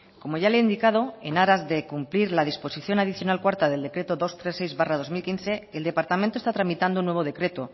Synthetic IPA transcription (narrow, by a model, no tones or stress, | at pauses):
ko̞mo̞jʝaleind̪ikað̞o̞e̞naɾazðe̞kumpliɾlað̞ispo̞siθjo̞nað̞iθjo̞nalkwaɾt̪aðe̞ld̪e̞kɾe̞t̪oðo̞st̪ɾe̞sːejzβarað̞o̞zmilkinθe̞eld̪e̞paɾt̪amẽnt̪ost̪at̪ɾamit̪and̪ounːwe̞β̞o̞ð̞e̞kɾe̞t̪o